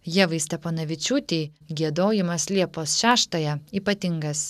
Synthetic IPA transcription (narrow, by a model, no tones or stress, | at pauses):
jiɛʋɐɪsʲt̪ʲɛponɐʋʲɪt͡ʃʲuːt̪ʲiːɡʲiɛd̪oːjɪmɐslʲiɛpoːsʃʲæːʃt̪ɐjɛiːpɐt̪ʲɪŋɡɐs